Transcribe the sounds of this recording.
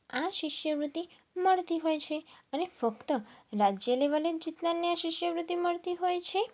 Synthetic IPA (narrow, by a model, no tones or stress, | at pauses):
aʃɪʃjəʋɾut̪i | məɭt̪iɦojt͡ʃʰeənefəkt̪əɾad͡ʒjəleʋaled͡ʒit̪nanːiaʃɪʃjəʋɾut̪iməɭt̪iɦojt͡ʃʰe